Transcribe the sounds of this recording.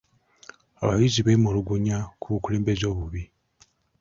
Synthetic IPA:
a̰βajiziβeːmuɾuɡuɲakuβukule̞ːmbe̞zo̞ːβuβi

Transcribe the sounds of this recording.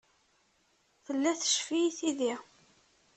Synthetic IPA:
θəlːæθə̥ʃfiθiði

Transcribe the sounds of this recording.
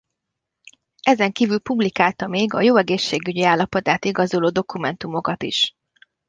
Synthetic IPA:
ɛzɛŋkiːvylpublikaːlt̪ɒmeːɡɒjoːɛɡeːʃːeːɡyɟiaːlːɒpo̞t̪aːt̪iɡɒzoloːd̪o̞kumɛnt̪umo̞kɒt̪ḭʃ

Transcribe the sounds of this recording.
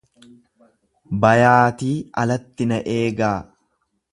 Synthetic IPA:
bɐjaːt̪iːɐlɐt̪ːɪnɐʔeːɡaː

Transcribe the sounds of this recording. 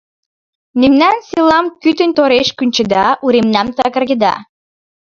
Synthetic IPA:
nemnænselɑmkyt̪ə̆nt̪oɾeʃkynʲt͡ɕə̆d̪ɑʔuɾemnæmt̪ɑkə̆rɣə̆d̪ɑ̰

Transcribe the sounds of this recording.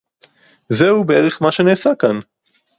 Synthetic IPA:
zeubeʔeʁeχmaʃeneːsakan

